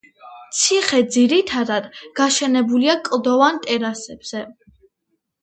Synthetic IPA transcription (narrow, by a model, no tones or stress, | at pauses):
t̪sʰiχɛd̪ziɾit̪ʰad̪ad̪ɡ̥aʃɛnɛbuliakʼlˠd̪ɔvant̪ʼɛɾasɛb̥z̥ɛ